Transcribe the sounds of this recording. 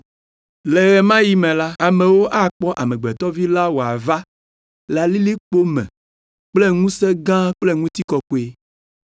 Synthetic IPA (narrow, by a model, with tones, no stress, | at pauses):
lɛ˨ɣɛ˨mã˦ji˦mɛ̃˨la˦a˨mẽ˨wo˦ʔa˦k͡pɔ˦ʔa˨mɛ̃˨ɡ͡bɛ˨t̪ɔ˦vi˦la˦wo˨a˨va˦ | la˨li˦li˦k͡po˦mɛ̰̃˨ | k͡plɛ˦ŋũ˦sɛ˦ɡã˦k͡ple˦ŋũ˦t̪i˦kɔ˦ko˦e˦